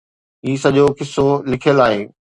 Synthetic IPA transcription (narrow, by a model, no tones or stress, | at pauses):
ɦiːsɐʄokɪsːolɪkʰjəlaːɦeː